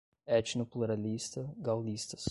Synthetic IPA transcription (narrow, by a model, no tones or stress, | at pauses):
ɛt͡ʃnoplˠuɾalʲist̪əɡalˠd̪ist̪ə̥s